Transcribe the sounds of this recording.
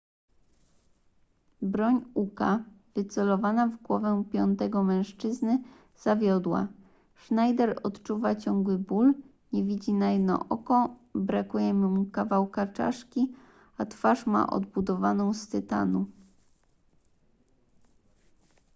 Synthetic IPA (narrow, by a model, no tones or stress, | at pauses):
bɾɔɲukavɘt̪sɛlɔvanavɡwɔvɛ̃pʲjɔnt̪ɛɡɔmɛ̃w̃ʂt͡ʂɘznɘ | z̥avʲjɔd̪wa̰ | ʂnajd̪ɛɾɔt̪t͡ʂuvat͡ɕɔŋɡwɘbul | ɲɛvʲid͡ʑinajɛd̪nɔ̰ʔɔkɔbɾakujɛmumukavawkat͡ʂa̰ʂkʲi | at̪faʂma̰ʔɔ̰d̪̚bud̪ɔvanɔ̃w̃st̪ɘt̪a̰nu